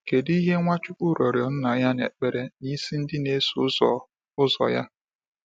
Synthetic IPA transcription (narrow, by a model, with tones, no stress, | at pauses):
ke˨di˦ɦe˦ŋʷa˦t͡ʃʊ˦ku˦ɾo˨ɾjɔ˨n̩˦na˨ja˦nḛ˨k͡pe˨ɾe˦ni˦si˦n̩˦dɪ˦ne˦s | ʊ˦zɔ̰˨ja̰˦